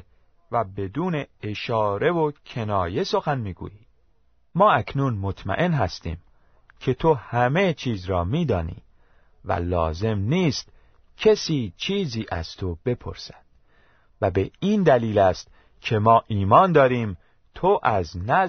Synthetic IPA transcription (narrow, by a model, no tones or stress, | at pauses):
væbe̞d̪uːne̞eʃɒːɾe̞vocʰe̞nɒːje̞so̞xænmiːɡṵːjiː | mɒːækʰnunmo̞t̪ʰmæ̰ʔe̞nɦæst̪ḭːm | cʰe̞t̪ʰo̞hæme̞t͡ʃʰiːzɾɒːmiːd̪ɒːnḭː | væ̰lɒ̰ːze̞mniːst̪ | cʰesiːt͡ʃʰiːziːʔæ̰z̥t̪ʰo̞b̥e̞pʰo̞̰ɾsæd̪̥̚ | væbe̞iːnd̪æliːlæst̪̚ | cʰe̞mɒːʔiːmɒːnd̪ɒːɾiːm | t̪ʰoʔæznæ